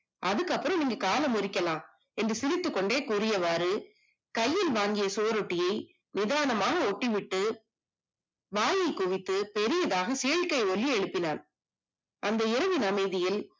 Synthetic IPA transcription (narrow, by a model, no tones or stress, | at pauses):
ʔɐðɯkːɐpːɯɾɐ̃mniːŋɡɐkaːlɐmʊɾɪkʲːɐlãː | ɛndrɯsɪɾɪt̪ːɯkːɔɳɖeːkuːɾɪjɐʋaːɾɯ | kɐjːɪlʋaːŋɡɪjɐsuːɐɾɔʈːɪjɐɪ | nɪðaːnɐmaːɣɐɔʈːɪʋɪʈːɯ | ʋaːjɐɪkʊʋɪt̪ːɯpɛɾɪjɐðaːɣɐsɛjɐɻkɐɪɔɭːiɛɻɯpːɪnaːn | ʔɐnd̪ɐɪɾɐʋɪnɐmɐɪðɪjɪl